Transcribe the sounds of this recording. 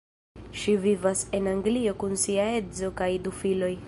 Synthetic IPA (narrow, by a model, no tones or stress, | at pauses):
ʃivivase̞naŋɡlio̞kunsiae̞zo̞kajdufilo̞j